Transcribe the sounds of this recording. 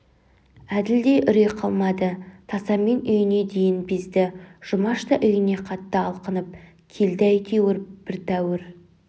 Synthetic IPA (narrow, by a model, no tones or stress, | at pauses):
æd̪ɪld̪ejʔʏɾejqʰɑlˠmɑd̪ət̪ʰɑsɑmːe̞nʏjɪne̞d̪e̞jɪnbɪzd̪ɪʒ̥ʊmɑʃt̪ɑʔʏjɪne̞qʰɑt̪ːəɑlˠqənəp̚ | kʲʰe̞ld̪ɪæjk̪ʲʰewɪɾb̥ɪɾt̪ʰæwɪɾ